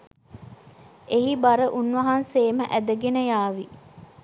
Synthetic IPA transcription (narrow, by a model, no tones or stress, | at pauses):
eɦibaɾəʔunʋɐɦanseːməʔæd̪əɡenəjaːʋi